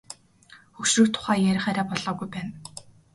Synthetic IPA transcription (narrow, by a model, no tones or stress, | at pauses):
xɵxʃrɵ̆ːrt̪ʰʊ̥χæːjæɾʲɪ̆χæːɾaːpɔɮɔːɣujpæːn